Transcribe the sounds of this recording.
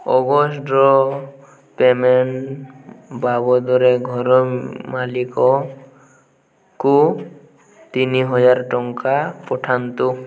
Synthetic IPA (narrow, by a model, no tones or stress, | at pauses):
ɔ̰ɡɔsʈɔ | pemen | babɔd̪ɔɾeɡʱɔɾɔmalikɔ | ku | t̪iniɦɔd͡ʒaɾʈɔŋkapɔʈʰant̪u